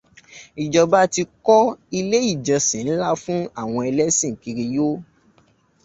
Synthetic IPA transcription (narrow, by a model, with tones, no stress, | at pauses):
i˨d͡ʒɔ˨ba˦ti˧kɔ˦i˧le˦i˦˨d͡ʒɔ˨sĩ˨n̩˦la˦fũ˦a˦˨w̃ɔ̃˧ɛ˧lɛ˦sĩ˦˨ki˨˧ɾi˧jo˦